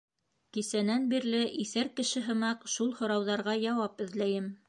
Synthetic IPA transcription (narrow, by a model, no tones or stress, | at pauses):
kisænænbiɾlɘʔiθæɾkɘ̆ʃɘɦɤ̆mɑqʃulˠhŏɾɑwðɑɾʁɑjɑwɑpɘ̆ðlæjɘm